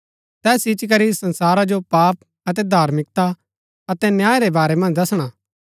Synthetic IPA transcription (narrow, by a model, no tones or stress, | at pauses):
t̪ɛːsɪt͡ʃk̬ɐɾisɐ̃nsaːɾad͡ʒopaːp̚ | ɐt̪̬ɛd̪ʱaːɾmɪk̚t̪a | ɐt̪ɛnjaːeɾebaːɾɛmɐ̃nd͡ʒd̪ɐsɽ̃aː